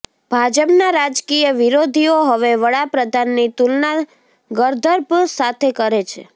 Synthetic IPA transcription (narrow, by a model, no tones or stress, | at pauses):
b̥ʱad͡ʒəpnaɾad͡ʒkijəʋiɾod̪ʱioɦəʋeʋəɽapɾəd̪ʱanːit̪ulna | ɡəɾd̪ʱəɾbsat̪ʰekəɾet͡ʃʰe